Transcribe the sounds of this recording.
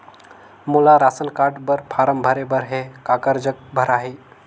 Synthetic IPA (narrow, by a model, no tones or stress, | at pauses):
mulaɾasənkaʈbəɾpʰaɾəmbʱəɾebəɾɦekakəɾd͡ʒək̚bʱəɾaɦi